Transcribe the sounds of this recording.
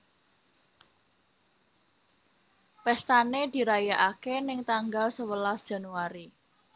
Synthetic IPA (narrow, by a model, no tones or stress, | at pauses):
pɛst̪aned̪̥i̤ɾajaʔakenɪŋt̪aŋɡalsəwəlasd̥ʒ̥a̤nuaɾi